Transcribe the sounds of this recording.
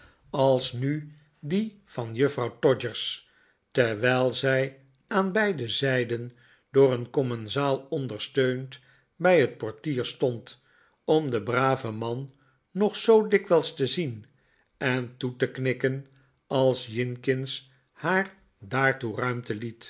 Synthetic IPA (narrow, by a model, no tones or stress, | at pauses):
ɑlˠsny | di | vɑnjɵfrɑwtɔd͡ʒəɹs | tɛɹʋɛjlˠzɛj | aːnbɛjdəzɛjdən | d̥ʊːɾənkɔmɛnzaːlˠɔndəɹstøɥnt | bɛjɦət̚pɔɹtiːɹstɔnt | ɔmdəbraːvəmɑnː | ɔχsowdɪkʋɛlˠstəzin | ɛntutəknɪkən | ɑlˠsjɪŋkɪns | haːr | daːɹturœɥmtəlit